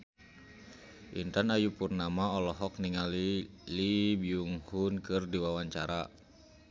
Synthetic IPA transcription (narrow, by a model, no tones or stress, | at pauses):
ʔḭnt̪anajupurnamaɔlɔɦɔkniŋalilibiuŋhunkɨrdiwawaɲt͡ʃaɾa